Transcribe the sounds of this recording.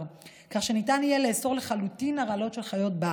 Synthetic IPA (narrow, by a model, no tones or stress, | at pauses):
kaχʃe̞nitanijeleːso̞ʁle̞χalutinaʁalo̞tʃe̞lχajo̞tba